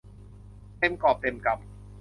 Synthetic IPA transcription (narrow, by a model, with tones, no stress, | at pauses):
t̪e˧mkɔː˨˩p̚t̪e˧mka˧p̚